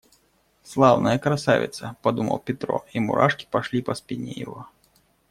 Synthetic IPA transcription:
slˠawnɐjɐkɾasa̰vʲɪ̰t̪sɐpad̪umɐ̰wpʲɛt̪ɾɔ̰imṵɾʔaʂkʲi̥paʂlʲipɐspʲinʲːɛja̰ɣɔ

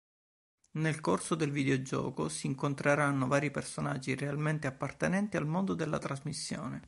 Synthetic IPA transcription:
nelkorsod̪elvid̪eod͡ʒɔ̰ːkosiːŋkont̪ɾeɾanːovaːɾipersonad͡ʒːirealment̪eapːart̪enɛnt̪ialmond̪od̪elːa̰t̪ɾazmisːjo̰ːne

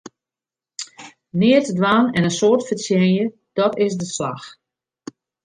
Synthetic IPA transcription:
nɪːətdʋaːnɛnənsoːərtfəsjɛnjə | d̥ɔtɪsdəsla̰x

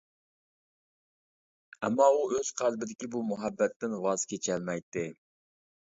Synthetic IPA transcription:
ɛmːɑuʔøz̥qʰælbɪd̪ɪkʲibumuɦɛbːɛt̪ːɪnʁɑz̥kʲet͡ʃʰɛlmɛjt̪ːɪ

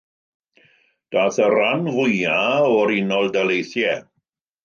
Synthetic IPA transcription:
d̥aːθəɾanvʊjaɔɾɪnɔlˠdalejθjɛ

